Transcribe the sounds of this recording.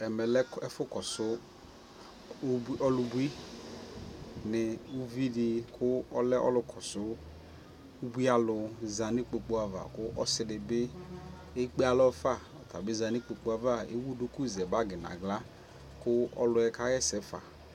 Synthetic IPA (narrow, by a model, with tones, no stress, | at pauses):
ɛ˨mɛ˨lɛ˦ɛ˦fʊ˦kɔ˨sʊ˦ | ɔ˦lʊ˨bu˦i˦ | nɪ˨u˦vi˦dɪ˧kʰʊ˦ɔ˦lɛ˦ʔɔ̰˦lʊ˧kʰɔ˨sʊ˦ | u˦bi˦a˨lʊ˧za˨nɪ˦k͡pe˨k͡po˦a˨va̰˨kʊ˦ʔɔ˦sɪ˦dɪ˨bɪ˦ | e˦k͡pe˦a˨lɔ˦fa˦˨ɔ˨ta˨bɪ˦za˨nɪ˦k͡pe˨k͡po˦a˨va˦˨ḛ˦wu˦dʊ˦kʊ˦˨zɛ˨ba˦ɡɪ˨na̰˨ɡla˦ | kʊ˦ɔ̰˦lʊ˦ɛ˦ka˦jɛ˦sɛ˨fa̰˨